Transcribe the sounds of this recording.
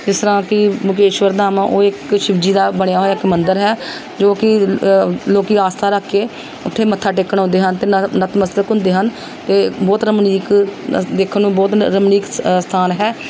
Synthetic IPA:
d͡ʒɪst̪əɾãːkɪmʊkeːʃʋəɾd̪aːmãːʔoːɪkʃɪbd͡ʒiːd̪aːbəɽjaːɦoːjaːɪkmənd̪əɾɦɛː | d͡ʒoːkɪ | loːkiːaːst̪ʰaːɾaːkʰːeː | ʊt̪ʰːeːmət̪ʰːaːʈ̬ɪkːəɳõnd̪eːɦənt̪eːnət̪məst̪əkɦʊ̃nd̪eːɦən | t̪eːbɔːt̪ɾəmniːkd̪eːkʰnũːbɔːt̪ɾəmniːkst̪ʰaːnɦɛː

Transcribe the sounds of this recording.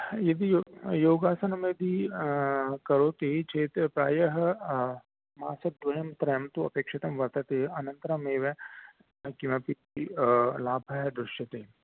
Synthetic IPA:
jed̪ijoːɡaːsɐnɐmed̪i | kɐɾoːt̪eːt͡ʃʰeːt̪pɾaːjɐɦ | maːsɐt̚d̪ʋɐjɐmt̪ɾɐjmt̪uɐpeːkʂɪt̪ɐmʋɐɾt̪ɐt̪eɐnɐ̃nt̪ɾɐmeːʋẽ | kimẽpit̪ilaːbʱɐɦɛd̪ɾɪʃɐt̪eː

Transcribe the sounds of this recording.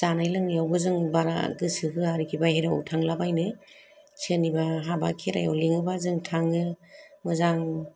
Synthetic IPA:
zanajlɯŋjawbɯzɯŋbaɾa̰ɡɯsɯkʰɯaɾikʰibaheɾaɔ̰wtʰaŋlabajnɯ | sʰenibaɦaba̰kʰeɾa̰jɔliŋɯbazɯŋtʰaŋɯ | mɯzaŋ

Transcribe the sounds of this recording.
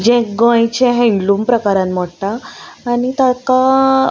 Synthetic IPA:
d͡ʑẽɡə̃jt͡ɕẽɦẽilumpɾəkaɾãnm̤ɔɽʈ̪aːɽ̃it̪aka

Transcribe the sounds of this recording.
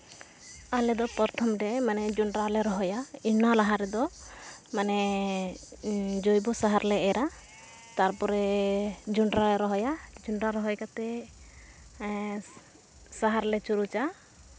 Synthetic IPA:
alɛd̪ɔpɔɾt̪ʰɔmɖɛmanɛd͡ʒuɳɖɾalɛɾɔɦɔjainalaɦaɾɛd̪ɔmanɛ | d͡ʒojbɔsaɦaɾlɛɛɾa | t̪aɾpɔɾɛd͡ʒuɳɖɾalɛɾɔɦɔjad͡ʒuɳɖɾaɾɔɦɔjkat̪ɛ | saɦaɾlɛt͡ʃuɾut͡ʃa

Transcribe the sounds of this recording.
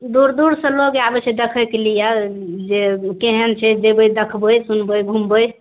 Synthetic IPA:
d̪uɾd̪uɾsə̃loɡabət͡ʃʰɛd̪ekʰəkelijad͡ʒekeɦənt͡ʃʰɛd͡ʒebəjd̪əkʰbəjsunbəjbʱumbəj

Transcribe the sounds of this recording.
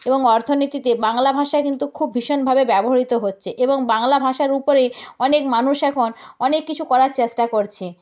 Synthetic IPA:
eboŋɔɾt̪ʰonit̪it̪ebaŋlabʱaʃaekint̪ukʰubʱːiʃonbʱabebɛboɦaɾit̪oɦotːɕʰeʔeboŋbaŋlabʱaʃaɾupoɾeɔnekmanuʃɛkʰonɔnekːit͡ɕʰukɔɾaɾt͡ɕesʈakoɾt͡ɕʰe

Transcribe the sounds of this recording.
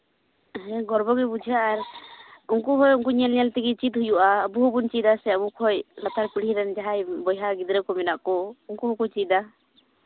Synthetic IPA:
ɦɛ̃ɡɔɾbɔɡɛbud͡ʒʱijaʔaɾuŋkuɦɔjuŋkuɲɛlɲɛlt̪ɛɡit͡ʃit̪hujuʔabuɦubunt͡ʃid̪asɛabukʰɔjlat̪aɾpiɽiɾɛnd͡ʒaɦajbɔjɦaɡid̪ɾɛkɔmɛnaʔkɔuŋkuɦɔkɔt͡ʃid̪a

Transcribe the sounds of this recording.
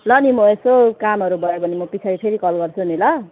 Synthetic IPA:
lʌnimoesokamʌɾubʌjobʱʌnemʌpit͡sʰaɾipʰeɾikʌlɡʌrt͡sʰunilʌ

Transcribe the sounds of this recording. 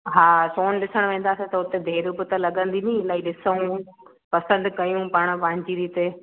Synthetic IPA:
ɦaːsoːnɗɪsəɽ̃ʋẽːn̆d̪aːset̪ɐʊt̪ed̪ʱeːɾubɪt̪ɐlɐɠə̃nd̪inĩɪlaːiɗɪsəũ | pɐsə̃nd̪kɐjũpɐɽ̃̆ʋãːɲt͡ɕiɾit̪e

